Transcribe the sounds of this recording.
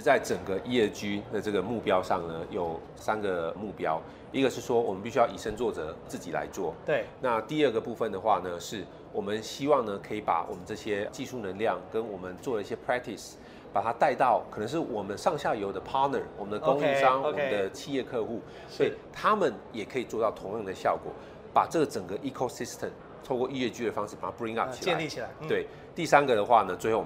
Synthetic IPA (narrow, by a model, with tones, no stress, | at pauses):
t͡sa˥˩ɪʈ͡ʂə˨˩ŋɡə˦ʔi˥jɛ˥˩t͡ɕy˥d̪ə˨ʈ͡ʂɤ˥˩ɡə˩mu˥˩pjɑ˥ʊʂɑ˥˩ŋnə˩jo˨˩ʊ | sa˥nɡə˨mu˥˩pjɑ˥ʊ | i˦˥ɡə˨˧ʂɻ̩˥˩ʂwɔ˥wɔ˨˩mə˦np̬i˥˩ɕ̬y˥jɑ˥˩ʊi˨˩ʂə˥nt͡swɔ˥˩ʈ͡ʂə˩˦t͡sɹ̩˥˩t͡ɕi˨˩la̰˧˦ɪt͡swɔ̰˥˩na˥˧t̪i˥˧ə˥˧ɡə˩pu˥˧fə˥˨nd̪ə˩xwa˥˩nə˩ʂɻ̩˥˩ | wɔ˨˩mə˦nɕi˥wɑ˥˩ŋnə˨kʰɤ˧˥i˨˧˥pa̰˨˩wɔ˨˩mə˦nʈ͡ʂɤ˥˩ɕjɛ˥t͡ɕi˥˧ʂu˥˩nə˧˦nljɑ˥˩ŋkə˦nwɔ˨˩mə˦nt͡swɔ˥˩lə˩i˥˩ɕjɛ˥pʰɹɛ˥k̚t̪ʰi˨˩s | pa˨˩t̪ʰa˦˥t̪a˥˧ɪt̪ɑ˥˩ʊkʰɤ˨˩nə˧˦ŋʂ̬ɻ̩˥˩wɔ˨˩mə˦nʂɑ˥˧ŋɕja˥˩jo˧˥ʊd̪ə˧pʰɑ˦˥nə̰˨˩wɔ˨˩mə˦nd̪ə˧k̪ʊ˧˥ŋi˥˧ʂɑ˥ŋwm˨ə˦d̪ə˧t͡ɕʰi˥˧jɛ˥˧kʰɤ˥˧xu˥˩ | swɔ˥˩i˨˩t̪ʰa˦˥mə˨njɛ˨˩kʰɤ˧˥i˨˩t͡swɔ˥˧t̪ɑ˥˩ʊt̪ʰʊ˧˥ŋjɑ˥˩ŋd̪ə˩ɕjɑ˥˩ʊkwɔ̰˨˩˦ | pa˨˩ʈ͡ʂɤ˥˩ɡə˩ʈ͡ʂə˨˩ŋɡə˦ʔi˥kʰo˥˧si˦˥st̪ʰə˨˩m | t̪ʰo˥˧ʊkwɔ˥˧i˥˧ɥɛ˥˧t͡ɕy˥d̪ə˩fɑ˥ŋʂɻ̩˥˩pa˨˩t̪ʰa˥pɹi˥ŋa˥˩p̚t͡ɕʰi˨la˧˦i˥˨t͡ɕʰi˨˩a˧˦t̪we˥˩ɪ | t̪i˥˩sa˥nɡə˨d̪ə˩xwa˥˩nə˩t͡swe˥˧ɪxo˥˩